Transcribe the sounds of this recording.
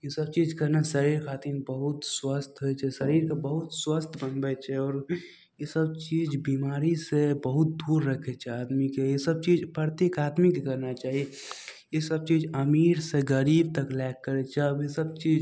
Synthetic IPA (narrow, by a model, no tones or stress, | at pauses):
jesəb̚t͡ʃiːd͡ʒkəɾnasəɾiːɾkʰaːt̪iːnbəɦʊt̪swəst̪ɦoɛt͡ʃʰɛsəɾiːɾkebəɦʊt̪swəst̪ʰbənbɛt͡ʃʰɛɔːɾ | jesəb̚t͡ʃiːd͡ʒbiːmaːɾisebəɦʊt̪̚d̪uːɾːəkʰɛt͡ʃʰɛaːd̪mikeesəb̚t͡ʃiːd͡ʒpɾəɾt̪eːkaːd̪mikekəɾnat͡ʃaːɦie | jesəb̚t͡ʃiːd͡ʒəmiːɾseɡəɾiːb̚t̪əklɛːkːəɾet͡ʃʰɛəbesəb̚t͡ʃiːd͡ʒ